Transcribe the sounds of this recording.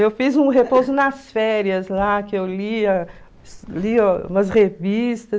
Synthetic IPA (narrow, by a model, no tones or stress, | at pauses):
ewfizũɦepozʊnɐsfɛɾiɐzlakɪewliɐ | sliũmɐshevist̪ɐ